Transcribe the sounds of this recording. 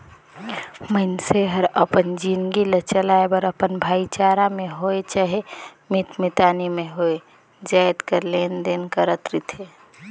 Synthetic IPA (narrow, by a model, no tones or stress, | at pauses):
məɪnseɦəɾəpənd͡ʒinɡilət͡ʃəlaebəɾəpənbʱaːit͡ʃaːɾamẽɦoet͡ʃaɦemit̪mit̪aːnimẽɦoe | d͡ʒajt̪kəlend̪eːnkəɾət̪ɾit̪ʰe